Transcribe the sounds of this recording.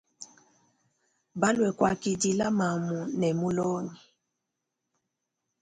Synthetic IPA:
ba˦lwɛ˨kwa˨ki˨di˦la˦ma˨mu˨nɛ˨mu˦lɔ˦ni˨

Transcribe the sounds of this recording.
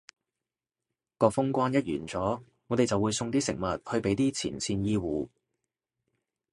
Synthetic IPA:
kɔː˧fʊ˥ŋkʷaː˥njɐ˥t̚jy̰ː˨˩nt͡sɔː˨˥ | ŋɔː˨˧t̪e˨jt͡sɐ˨wu˨˧jsʊ˧ŋt̪iː˥sɪ̰˨˩ŋ̚mɐ˨t̚hɵ˧ɥpe˨˥jt̪iː˥t͡sʰḭː˨˩nsiː˧njiː˥wuː˨˧

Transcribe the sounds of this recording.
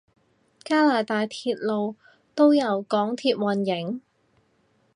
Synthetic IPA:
kaː˥laː˨˩t̪aː˨jt̪ʰiː˧t̚lo˨˧w | t̪o˥wjɐ˨˧wkɔː˨˥ŋt̪ʰiː˧t̚wɐ˨˩njɪ˨˥ŋ

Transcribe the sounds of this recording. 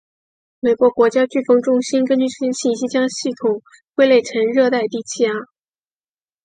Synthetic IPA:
me˨˩ɪkwɔ˧˥kwɔ˧˥t͡ɕja˥t͡ɕy˥˩fɤ˥ŋʈ͡ʂʊ˥ŋɕi˥nkə˥nt͡ɕy˥˩ʂʰi˥nɕi˥˩ɕi˥t͡ɕjɑ˥ŋɕi˥˩t̪ʰʊ˨˩˦ŋ | xwe˥˧ɪle˥˩ɪʈ͡ʂʰə˧˥nɻɤ˥˧t̪a˥˧ɪt̪i˥˧˩t͡ɕʰi˥˩a˥˩

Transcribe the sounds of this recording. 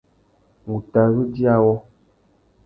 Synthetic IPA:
ŋu˨ta˨ɾu˦di˦a˨wɔ˦

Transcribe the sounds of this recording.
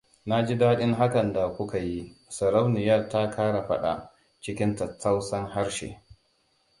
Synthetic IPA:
na˦d͡ʒi˦daː˦ɗɪ˦ŋɦa˦kɐ˨nda˨kʷʊ˦ka˨ji˦sɐ˨ɾa˦wnɪ˨ja˦˨ta˦kʰaː˦ɽa˨ɸɐ˦ɗa̰˨ | t͡ʃɪ˦kʲɪ˦ntɐ˨t͡sːa˦wsɐ˦ŋɦa˦ɽʃḛ˨

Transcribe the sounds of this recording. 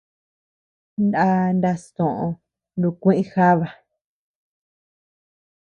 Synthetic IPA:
nda˦nd̪a˧st̪õ˨ʔõ˧ | ndũ˧kʷẽ˦ʔĩ˦xa˦βa˨

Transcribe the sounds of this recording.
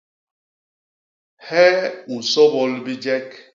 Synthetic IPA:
hɛ˦u˨sɔ˦bɔ˦lbi˦d͡ʒɛ˦k

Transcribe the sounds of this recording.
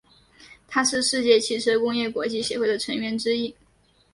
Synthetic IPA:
t̪ʰa˥ʂɻ̩˥˧ʂɻ̩˥˧t͡ɕjɛ˥˩t͡ɕʰi˥˩ʈ͡ʂʰɤ˥kʊ˥ŋjɛ˥˩kwɔ˧˥t͡ɕi˥˩ɕjɛ˧˥xwe˥˩ɪd̪ə˩ʈ͡ʂʰɤ˧˥ŋɥɛ˧˥nʈ͡ʂɻ̩˥i˥˩

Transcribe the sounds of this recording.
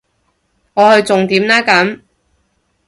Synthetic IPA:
ŋɔː˨˧hɵ˧ɥt͡sʊ˨ŋt̪iː˨˥mlaː˥kɐ˨˥m

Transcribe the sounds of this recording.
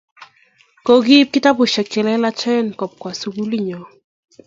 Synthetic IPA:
ko˦ɡi˦p̚kɪ˦ta˦bʊ˨ʃɛ˨ke˨lɛ˦la˦t͡ʃɛ˦˨nkɔ˨p̚kwa˨su˨ɡu˦li˦ɲɔ˨

